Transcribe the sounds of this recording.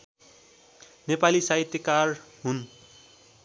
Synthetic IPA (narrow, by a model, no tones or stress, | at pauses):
nepalisaɦit̪jʌkarɦun